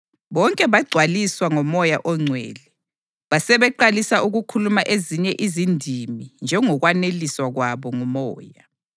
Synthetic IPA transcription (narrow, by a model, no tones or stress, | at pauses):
βɔŋkʼɛβaɡ͡ǀʱwaliswaŋɔmɔjaʔɔŋ͡ǀʱwḛːlɛ | βasɛβɛǃalisaʔuɣukʰulumaʔeziɲɛʔizindʱimind͡ʒʱɛŋɔɣwaneliswaɣwaβɔŋumɔːja